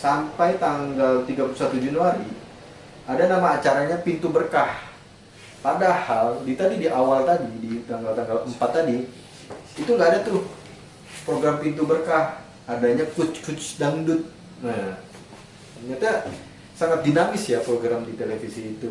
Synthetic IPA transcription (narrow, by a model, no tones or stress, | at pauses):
sampajt̪aŋɡalt̪iɡapulusat̪ud͡ʒanuaɾi | adanamaːt͡ʃaɾaɲapint̪ubərkah | padahaldit̪adidiʔawalt̪adidit̪aŋɡalt̪aŋɡaləmpat̪ːadiː | t̪uŋɡaːdat̪ʊh | pɾoɡɾampint̪ubərkah | adaɲakʊt͡ʃkut͡ʃdaŋdʊt̪̚ | na | ɲat̪a | saŋat̪̚dinamɪsjapɾoɡɾamdit̪elefisiːt̪u